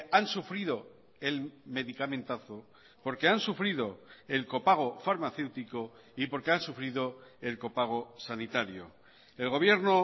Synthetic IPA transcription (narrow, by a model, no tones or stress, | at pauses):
ansufɾiðo̞ | e̞lme̞ðikamẽ̞nt̪aθo | po̞ɾkeansufɾiðo̞e̞lko̞paɣ̞o̞faɾmaθe̞wt̪iko̞ | ipo̞ɾke̞ansufɾiðoe̞lko̞paɣ̞o̞sanit̪aɾjo̰ | e̞lɣo̞βje̞ɾno